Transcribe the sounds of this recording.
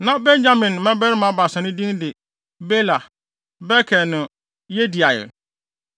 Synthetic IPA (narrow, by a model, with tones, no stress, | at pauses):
nã˦bɛ˦n˦d͡ʑa˦mɪ̃˨nmɛ̃˦bɛ˦ɾmã˨˦ba˨sɛ̃˨nɪ̃˦dĩ˦ndɪ˨ | be˦la˨ | bɛ˦kʰɛ˨nʊ̃˨ | je˦di˨a˨jɪ̰˨